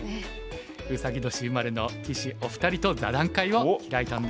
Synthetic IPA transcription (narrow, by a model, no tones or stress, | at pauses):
ɯ̟saɡʲid̪o̞ɕiɯmaɾɯ̟no̞kʲiɕioɸɯ̟̥t̪aɾʲit̪o̞za̰d̪ãŋkaiβoɡait̪ãnd̪